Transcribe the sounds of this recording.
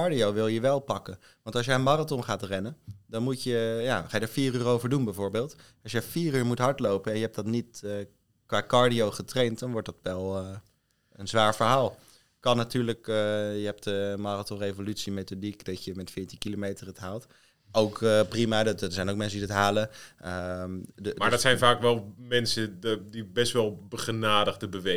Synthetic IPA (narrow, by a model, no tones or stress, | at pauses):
ɑɹdiowʋɪlˠjəʋɛlˠpɑkən | ʋɑntɑlˠs̬jəənmaːratɔnχaːtrɛnəndɑnmutjəja̰ːχaːjədaːɹfiːryːrowvəɹdunbɛjvoːɹbeːlˠt | ɑlˠsjəfiːryːɹmutɦɑɹtlowpənɛnjəɦɛp̚dɑtnit | kʋaːkɑɹdiowχətrejntdɑnʋɔɹt̚dɑtʋɛlˠə | ənzʋaːɹvəɹɦaːlˠ | kɑnːatyːɹləkəjəɦɛp̚təmɑratɔnrejvolytsimejtodikdɑtjəmɛtfɪːɹtikilomejtərətɦaːlˠt | owkprimaːdtsɛjnowk̚mɛnsədidɑtɦaːləədmaːɹdɔtsɛjnvaːkʋɛlˠmɛnsəddibɛstʋɛlˠbəχənaːdəχdəbəʋe